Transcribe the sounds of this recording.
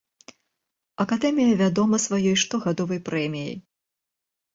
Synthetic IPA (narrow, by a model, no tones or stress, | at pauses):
ɐkad̪ɛmʲijɐvʲad̪ɔmɐsvajɔjʂt̪ɔɣad̪ɔvɐjpɾɛmʲijɐ̰j